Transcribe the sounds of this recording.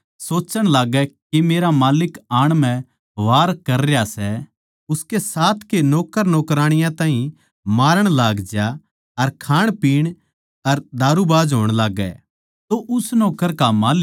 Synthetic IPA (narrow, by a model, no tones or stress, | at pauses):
soːt͡ʃəɽ̃laːɡɛkimeːɾamaːlɪkaːɽ̃mɛ̃ | ʋaːɾkɐɾejasɛ | ʊskesaːt̪ʰkenɔːkəɾnɔːkɾaːɽ̃ɪjãt̪aːɦĩ | maːɾəɽ̃laːɡd͡ʒa | ɐɾkʰaːɽ̃piːɽ̃ | ɐɾd̪ʱaːɾubaːd͡ʒɦoːɽ̃laːɡɛ̰ | t̪oʔʊsnɔːkəɾkamaːlɪ